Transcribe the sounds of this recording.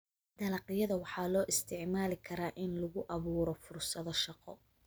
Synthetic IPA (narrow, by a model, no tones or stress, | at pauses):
d̪̥ɐlɐqɪjɐðɐwɑħɑːlɔːʔɪst̪ʰɪʕmaːlɪkʰɐɾaːʔɪnlʊɣʊʔɑβuːɾɔfʊrsɐðɔʃɑqɔ̰